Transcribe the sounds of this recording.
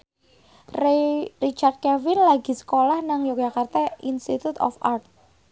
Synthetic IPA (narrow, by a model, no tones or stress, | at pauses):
rrit͡ʃard̪̚kɛfɪnlaɡi̤sə̥kolahnaŋjok̚d͡ʒakart̪ainst̪it̪ut̪ɔ̰fa̰rt̪̚